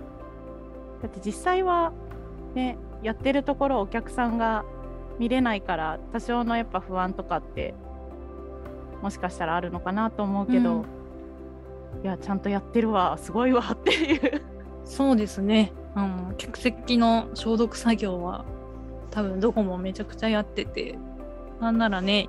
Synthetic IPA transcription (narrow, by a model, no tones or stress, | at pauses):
d̪̥at̪ːe̞d͡ʑisːaiβa | ne̞ | jat̪ːe̞ɾɯ̟t̪o̞ko̞ɾo̞ːkʲakɯ̟̥sãŋɡa | mʲiɾe̞naikaɾat̪aɕo̞ːno̞japːaɸɯ̟βãnt̪o̞kat̪ːe̞̰ | mo̞ɕi̥kaɕi̥t̪aɾaːɾɯ̟no̞kanat̪o̞ːmo̞ɯ̟ke̞d̪o̞ | jat͡ɕãnt̪o̞jat̪ːe̞ɾɯ̟βasɨɡo̞iβat̪ːe̞jɯ̟ | so̞ːd̪e̞sɨne̞ | ano̞kʲḁkɯ̟̥se̞kʲːino̞ɕo̞ːd̪o̞kɯ̟̥saɡʲo̞ːβa̰ | t̪aβɯ̟̃nd̪oko̞mo̞me̞t͡ɕakɯ̟̥t͡ɕajat̪ːe̞t̪e̞̰ | nãnːaɾane̞